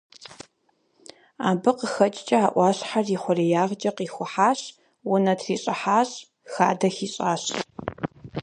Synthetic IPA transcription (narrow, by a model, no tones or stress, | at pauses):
aːbɨqəxɐt͡ʃʼt͡ʃʼɐaːʔʷɑːɕħariːχʷɔriːjaːʁd͡ʒʼɐqiːxʷʊħaːɕ | wʊnɐtʰriːɕʼɪħaːɕ | xa̰ːdɐxiːɕʼaːɕ